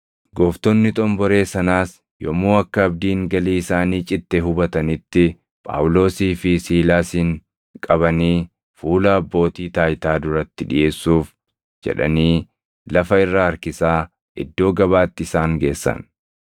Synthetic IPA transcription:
ɡɔːft̪ɔnːɪt̪ʼɔmbɔɾe̞ːsɐnaːs | jɔ̰muːɐkːɐːb̚d̪iːŋɡɐliːɪsaːniːt͡ʃʼɪt̪ːeɦʊbɐt̪ɐnɪt̪ːɪ | pʼa̰ːwlo̞ːsiːfɪsiːlaːsiːŋ | kʼɐβɐniː | fuːlɐːbːo̞ːt̪iːt̪aːjt̪aːd̪ʊɾɐt̪ːɪᶑɪ̰jʔe̞ːsːuːf | d͡ʒɛ̰ᶑɐ̰niː | lɐfɐɪrːaɐɾkɪsaː | ʔɪ̰d̪ːo̞ːɡɐβaːt̪ːɪɪsaːŋɡe̞ːsːɐ̰n

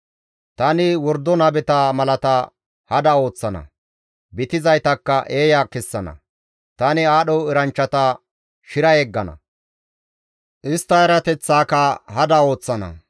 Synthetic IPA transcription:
t̪ɐnɪwɔɾd̪ːɔnɐbɛt̪amɐlɐt̪ɐ | hɐd̪ɐo̞ːt͡sːɐnɐ̰ | bɪt̪ɪzɐjt̪ɐkːɐʔe̞ːjaːkɛsːɐnɐ̰ | t̪ɐnɪaːɗɔɪɾɐnt͡ʃːɐt̪ɐ | ʃɪɾɐjɛɡːɐnɐ̰ | ʔɪst̪ːɐjɐɾɐt̪ɛt͡sːaːkɐɦɐd̪ɐo̞ːt͡sːɐnɐ̰

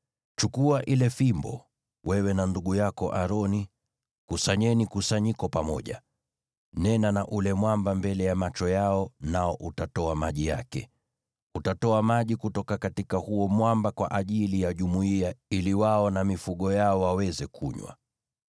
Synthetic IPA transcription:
t͡ʃukuaʔilɛfimbɔ̰ | wɛwɛnanduɠujakɔ̰ʔaɾɔni | kusaɲɛnikusaɲikɔpamɔ̰ʄa̰ | nɛnanaʔulɛmwambambɛlɛjamat͡ʃɔjaɔnaɔʔutatɔamaʄija̰kɛ̰ | utatɔamaʄikutɔkakatikahuɔmwambakwa̰ʔaʄilijaʄumuiailiwaɔnamifuɠɔjaɔwawɛzɛkʰṵɲwa̰

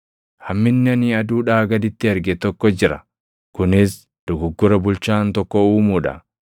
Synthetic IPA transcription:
hɐmːɪnːɪɐniɐd̪uːᶑaːɡɐd̪ɪt̪ːɪɐɾɡɛt̪ɔkːɔd͡ʒɪɾɐ | kʊnɪs | d̪̥ʊɡʊɡːʊɾɐbʊlt͡ʃaːnt̪ɔkːɔuːmuːᶑɐ̰

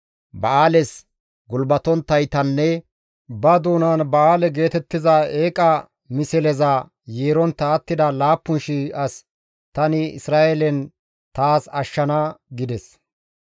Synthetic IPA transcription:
bɐaːlɛs | ɡʊlbɐt̪ɔnt̪ːɐjt̪ɐnːɛ | bɐd̪uːnaːnbɐaːlɛɡe̞ːt̪ɛt̪ːɪzɐeːkʼɐ | mɪsɛlɛzɐ | jeːɾɔnt̪ːɐːt̪ːɪd̪ɐlaːpːʊnʃiɐs | t̪ɐnɪɪ̰sɾaːʔɛlɛn | t̪aːsɐʃːɐnaɡɪd̪ɛs

